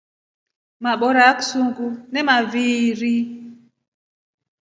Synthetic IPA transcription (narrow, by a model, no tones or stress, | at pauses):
maɓɔɾaksuŋɡunɛmaviːɾi